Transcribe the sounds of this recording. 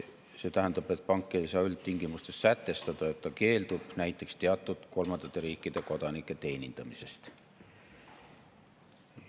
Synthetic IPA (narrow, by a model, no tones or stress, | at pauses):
se̞ːt̪æɦænd̪ɑb̥e̞t̪̚ːˑpɑŋkˑːe̞jsɑːylt̪t̪iŋɡ̥imust̪e̞st̪sæt̪ːe̞st̪ɑd̪̥ɑe̞t̪ːɑke̞ːld̪ub̥næjt̪ːˑe̞kst̪e̞ɑt̪ːˑud̪̥ko̞lmɑnd̪̥ɑt̪ːe̞ɾiːkːˑid̪̥e̞ko̞d̪̥ɑnikːˑe̞t̪e̞ːnʲind̪̥ɑmise̞st̪